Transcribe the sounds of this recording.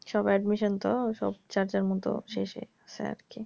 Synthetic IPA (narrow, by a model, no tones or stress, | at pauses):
ʃɔbɛɖmiʃɔnt̪oʃɔ̰b̚t͡ɕaɾd͡ʑaɾmɔt̪o̰ʃeʃḛ | sḛa̰ɾkʰi